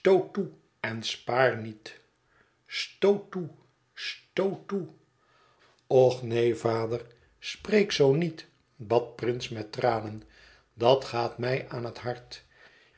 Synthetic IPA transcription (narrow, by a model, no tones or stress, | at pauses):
stowtu | ɛnspaːɹnit | stowtu | stowtu | ɔχnejvaːdər | sprejksownit | bɑt̚prɪnsmɛtraːnən | dɑtχaːtmɛjʔaːnɦətɦɑɹt